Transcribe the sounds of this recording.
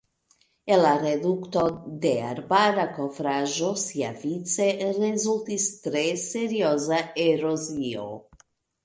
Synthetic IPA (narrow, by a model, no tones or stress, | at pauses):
elared̪ukt̪od̪ea̰ɾbadakofɾaʒosiavit̪serezult̪ist̪ɾeseɾiozaeɾozio̰